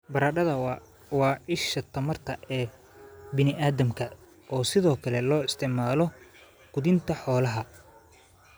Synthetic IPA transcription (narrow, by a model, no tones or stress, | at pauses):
bɐɾaːɖɐðɐ | wɑːɪʃɐt̪ʰɐmɐrt̪ʰɐʔɛː | bɪnɪʔaːðɐmkʰɐ | ʔɔːsɪðɔːkʰɐlɛlɔːɪst̪ʰɪʕmaːlɔ | ɡ̥ʊðɪnt̪ʰɐħɔːlɐɦɐ